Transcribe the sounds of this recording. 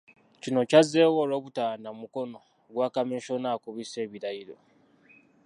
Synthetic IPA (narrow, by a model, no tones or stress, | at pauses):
cino̞cazeːwolo̞ːβutaːnamuko̞no̞ | ɡwaːkameːʃonaːkuβise̞ːβiɾaiɾo̞̰